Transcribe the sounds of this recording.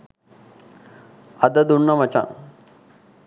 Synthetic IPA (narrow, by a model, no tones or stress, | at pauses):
ɐd̪ɐd̪uɳːɐmɐt͡ɕã̰